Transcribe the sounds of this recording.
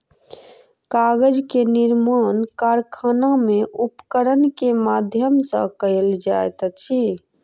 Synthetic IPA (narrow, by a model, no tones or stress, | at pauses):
kaɡəd͡ʒkeniɾmankaɾkʰanameʔupkəɾənkemad̪ʱjəmsə̰̃kəld͡ʒa̰jt̪t͡ʃʰi